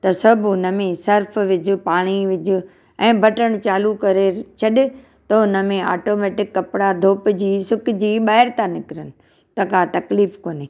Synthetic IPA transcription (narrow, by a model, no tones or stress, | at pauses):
t̪ɐsɐbʱʊnəmẽsɐɾfʋɪd͡ʑʊ̆paːɽ̃iʋɪd͡ʑʱʊ̆ | ɛ̃ːbʱɐʈəɽ̃t͡ɕaːlukɐɾet͡ɕʰɐɗɪ̆ | t̪ɐʊnəmẽa̰ːʈoːmɛːʈɪkːɐpɪɽad̪ʱoːpd͡ʑiːsʊkɪd͡ʑiːɓaːɪɾt̪ʰãnɪkɪɾənɪ̆ | t̪ɐkãt̪ɐkliːfkoːneː